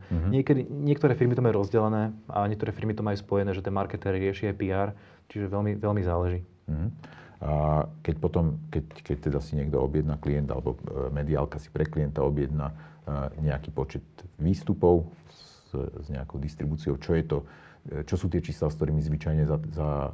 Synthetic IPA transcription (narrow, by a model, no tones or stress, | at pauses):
ɦɲɪɛkɛd̪iɲɪɛkt̪ɔɾɛːfiɾmit̪ɔmajuːɾɔzɟɛlɛnɛːa̰ɲɛk̚t̪ɔɾɛːfiɾmit̪ɔmajuspɔjɛnɛːʒɛt̪ɛnmaɾkɛt̪ɛɾɾɪɛʃiajpiaːɾ | t͡ʃiʒɛʋɛlmiʋɛlmizaːlɛʒiː | m̩ɦ̩ | akɛcpɔt̪ɔmkɛckɛc̚t̪ɛd̪asiɲɪɛɡd̪ɔɔbjɛd̪nakliɛnd̪a̰lɛbɔ̰mɛd̪ia̰lkasi̥pɾɛkliɛnt̪aɔbjɛd̪naɲɛakiːpɔt͡ʃɛt̪ʋiːst̪upɔʊ | zɲɛakɔʊd̪ist̪ɾibuːt͡siɔʊt͡ʃɔjɛt̪ɔ | t͡ʃɔsuːt̪ɪɛt͡ʃiːslaskt̪ɔɾiːmizʋit͡ʃajɲɛzaza